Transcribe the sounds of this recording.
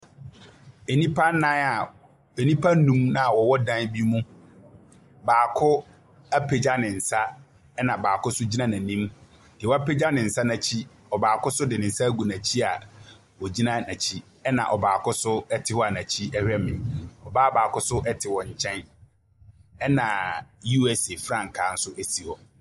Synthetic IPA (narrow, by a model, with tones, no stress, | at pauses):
e˨nĩ˦pʰa˦nã˦a˨ | e˨nĩ˦pʰa˦nũ˦mnã˦a˨wɔ˨wɔ˦dã˦nbi˦mũ˦ | baː˨kʰʊ˦ | æ˦pʰe˨d͡ʑa˦nɪ̃˨n̩˨sa˦ | ɛ˦nã˨baː˨kʰʊ˦sʊ˦d͡ʑi˦nã˦nã˨nĩ˦m | dɪ˨wɔ˦a˦pʰe˦d͡ʑa˦nɪ̃˨n̩˨sa˦nã˨t͡ɕʰi˦ | ɔ˨baː˨kʰʊ˦sʊ˦dɪ˨nɪ̃˨n̩˦sa˦ɡu˨nã˨t͡ɕʰi˦a˨ | wɔ˨d͡ʑi˦nã˦nã˨t͡ɕʰi˦ | ɛ˦nã̰˨ʔɔ˨baː˨kʊ˦sʊ˦ɛ˦tʰɪ˨hɔ˦a˨nã˨t͡ɕʰi˦ɛ˦hᶣɛ˦mɪ̃˨nɔ˨baː˦baː˨kʊ˦sʊ˦ʔɛ˦tʰɪ˨wɔ˨ɲ̩˨t͡ɕʰɛ̃˦n | ɛ˦nã˨ju˦ɛ˦se˨fɾã˦˨ŋ̩˨kʰãː˨n̩˦sʊ˦ʔe˦si˨ɔ˨